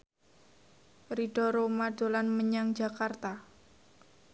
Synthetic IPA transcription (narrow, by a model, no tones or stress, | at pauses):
riɖ̥ɔɾomaɖ̥olanməɲaŋd͡ʒa̤kart̪a